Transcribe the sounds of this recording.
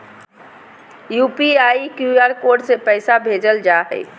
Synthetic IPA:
jupiajikjuaɾkoɾɖsepəɪsabʱed͡ʒəld͡ʒaɦɛ̰

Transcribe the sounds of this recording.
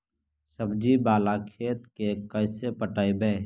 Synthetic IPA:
səbd͡ʒiːbaːlaːkʰeːt̪kekəɪseːpəʈaːibeː

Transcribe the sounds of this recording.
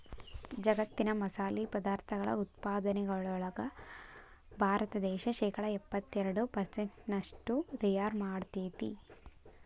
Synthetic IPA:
d͡ʒɐɡɐt̪ːinɐmɐsaːlipɐd̪aːɾt̪ʰɐɡɐɭɐ̰ut̪paːd̪ɐnɛɡɐɭɔɭɐɡɐ | bʱaːɾɐt̪ɐd̪ɛːʃɐʃɛːkɐɽɐɛpːɐt̪ːɛɾɐɽupɐɾseɳʈnɐʂʈut̪ɐjaːɾmaːɽt̪iːt̪ḭ

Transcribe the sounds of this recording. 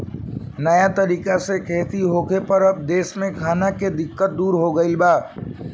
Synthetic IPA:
nəjat̪əɾiːkasekʰeːt̪iɦokepəɾəb̚d̪eːsmẽkʰaːnaked̪ɪkːət̪̚d̪uːɾɦoɡəɪlbaː

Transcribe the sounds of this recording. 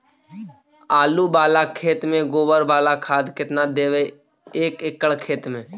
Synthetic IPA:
aːlubaːlakʰeːt̪mẽɡoːbəɾbaːlakʰaːd̪kɪt̪nad̪eːʋe | eːkɪkəɭkʰeːt̪mẽː

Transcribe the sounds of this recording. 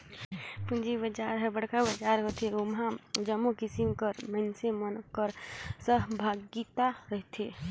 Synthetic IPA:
pund͡ʒibəd͡ʒaːɾɦɛbəɽkabɐd͡ʒaːɾɦot̪eomɦãd͡ʒəmːukɪsimkəɾmənsemənkəɾsəɦbʱaːɡit̪aɾəɦt̪ʰe

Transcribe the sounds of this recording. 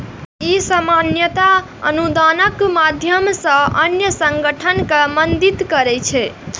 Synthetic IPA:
isəmanjət̪a | ənud̪anəkmad̪ʱjəmsə̃ənjəsəŋɡəʈʰənkemənd̪it̪kəɾɛt͡ʃʰɛ

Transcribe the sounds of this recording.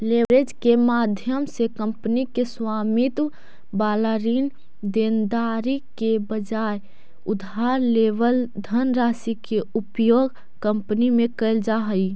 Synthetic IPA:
lebɾed͡ʒkemad̪ʱjəmsekəmpnikeswamit̪w | balaɾin | d̪end̪aɾikebəd͡ʒaj | ud̪ʱaɾleʋəld̪ʱənɾasikeupjoɡ | kəmpnimẽkəɪld͡ʒaɦəi

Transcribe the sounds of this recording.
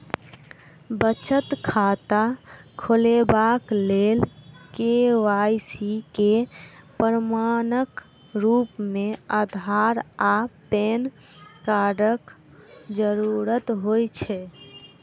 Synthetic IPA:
bət͡ʃət̪kʰat̪akʰolebaklelkeʋajsikepəɾmanək | ɾupmeəd̪ʱaɾapen | kaɾək | d͡ʒəɾuɾət̪ɦojt͡ʃʰɛ

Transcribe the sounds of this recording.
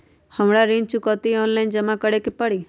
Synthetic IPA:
həmɽaɾĩnt͡ʃukɔt̪iɔnlajnd͡ʒəmakəɽekepəɽi

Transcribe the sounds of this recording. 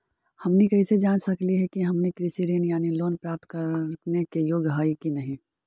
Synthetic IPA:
hɐmnikɐised͡ʒaːnsɐkliɦɛkiɦɐmnekɾɪsiɾeːnjaːniloːnpɾaːp̚t̪̚kɐɾnekejoːɡɦaːikinɐɦĩː

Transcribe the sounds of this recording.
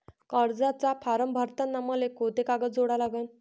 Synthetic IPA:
kəɾd͡zat͡sapʰaɾəmbʱəɾt̪ənːaməlekot̪ekaɡəd͡zoɽalaɡən

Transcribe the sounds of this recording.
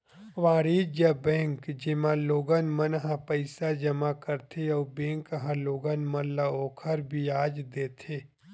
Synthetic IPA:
ʋãːɽiːd͡ʒabẽːŋkd͡ʒɪmãloːɡənmənɦãpəɪsad͡ʒɐmakəɾt̪ʰeɔːbẽːŋkɦãloːɡənmɐnlaoːkʰəɾbʱiaːd͡ʒd̪eːt̪ʰeː

